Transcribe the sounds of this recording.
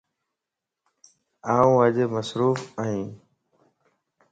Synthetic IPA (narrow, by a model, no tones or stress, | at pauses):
aːũːəʄeːməsɾuːfaːɦĩː